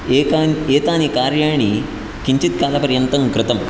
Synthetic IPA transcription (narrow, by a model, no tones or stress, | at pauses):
ekaneːt̪aːnikaːɾjaːɳ̃i | kiɲt͡ʃit̪̚kaːlɐpɐɾjɐnt̪ɐŋkɾɪt̪ɐm